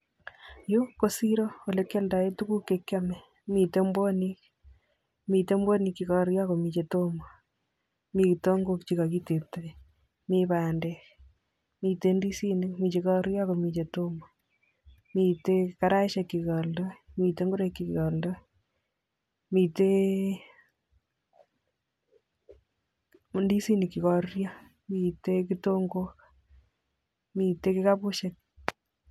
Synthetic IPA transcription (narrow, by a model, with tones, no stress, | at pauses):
jo˦kːo˦si˦ɾo˦o˨le˦kːelda˨je˦tu˦ku˦kːekːa˦mɛ˨ | mi˨te˦mbo˦nik | mi˨te˦mbo˦ni˧kːi˨kɔɾja˦ko˨mi˨t͡ʃe˨to˦ma˨ | mi˦kto˦ŋɡo˦kt͡ʃi˦ka˨ki˦te˨t̪a˦ | miβaː˨ndɛ˨k | mite˦ndi˦si˦ne˦kmi˨t͡ʃe˧kɔ˦ɾja˦ko˨mi˨t͡ʃe˨to˦mɔ˨ | mi˦te˦kka˦ɾa˦ʃe˦kːi˨kɔ˨ldɔ˦mi˨te˦ŋɡu˦ɾekːi˨kkɔ˨ldɔ˦ | mi˨te˦ | ndi˦si˦ni˨kːi˨kɔrjɔ | mi˨te˦k̬i˦toŋɡok | mi˨te˦kɪ˦kapʊ˦ʃe˦k̚